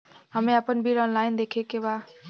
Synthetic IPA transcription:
ɦəmeapənbiɾɔnlajnd̪ekʰekeba

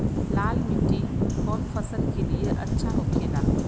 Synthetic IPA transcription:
laːlmiʈiɔːnfʰəsəlkelijeʔɐtːʃʰaɦokʰena

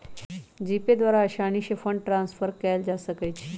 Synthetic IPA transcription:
d͡ʑiped̪ʋaɾaəɕaniɕefəɳɖʈɾãnsfəɾkɛld͡ʑasəkəjt͡ɕʰi̥

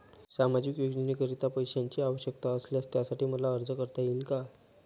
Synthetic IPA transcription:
samad͡ʑikjoɡnənikəɾit̪apəjɕaɲt͡ɕiːaʋəɕjəkt̪aəsljast̪jasaʈiːməlaəɾd͡zəkəɾt̪ajilka

